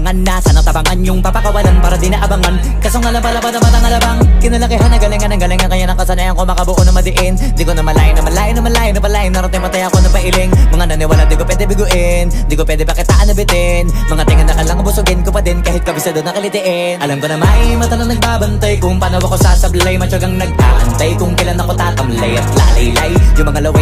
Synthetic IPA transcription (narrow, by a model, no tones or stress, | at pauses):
ŋanːasɐnɐt̪ɐbaŋanjʊŋpɐpɐkɐwɐlanpaːɾɐd̪inɐʔɐbɐŋan | kɐsoŋɐlɐbalɐbanɐmanɐŋɐlɐbaŋkɪnɐlɐkɪɦanːɐɡɐlɪŋɐnɐŋɡɐlɪŋɐŋkɐɲanɐkɐsɐnajɐŋkomɐkɐboʔonɐmɐd̪ɪʔɪnd̪ikonɐmɐlaːʔɪnɐmɐlaːʔɪnːɐmɐlaːɪnɐpɐlaːʔɪnːɐɾɐt̪ɪŋpɐt̪ajɐkonɐpɐʔɪlɪŋmɐŋanɐnɪwaːlɐnd̪ikopwɛːd̪ɛbɪɡʊʔɪnd̪ikopwɛːd̪ɛpɐkɪt̪aːʔɐnɐbɪt̪ɛnmɐŋat̪ɪŋɐnːɐkɐlɐŋbʊsʊɡɪnkopɐd̪ɪnkaːhɪt̪̚kɐbɪsɐd̪onːɐkɐlɪt̪ɪʔɛ | nʔɐlɐmkonɐmajmɐt̪ɐnɐŋnɐɡ̚baːbɐnt̪ajkʊŋpɐnɐwɐkosasɐbllɐjmɐt͡ʃɐɡɐŋnɐɡ̚ʔa̰ʔɐnt̪ajkʊŋkɐjlanɐkot̪aːt̪ɐmlɐjɐt̪̚la̰ʔlɐjlɐjjʊŋmɐŋalɐwɛ